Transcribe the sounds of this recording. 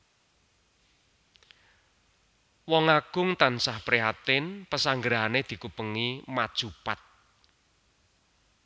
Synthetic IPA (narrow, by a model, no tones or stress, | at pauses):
wɔŋaɡ̥ʊŋt̪ansahpɾiɦat̪ɪnpəsaŋɡəɾaned̪̥i̤kupəŋimad̥ʒ̥upat̪̚